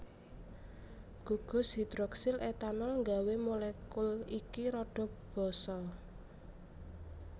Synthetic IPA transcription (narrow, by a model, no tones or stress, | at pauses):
ɡ̥ṳɡ̥ɔ̤sd̪i̤d̪̥ɾɔksɪlet̪anɔlŋɡawemolɛkulikiɾɔɖ̥ɔ̤b̥ɔ̤sɔ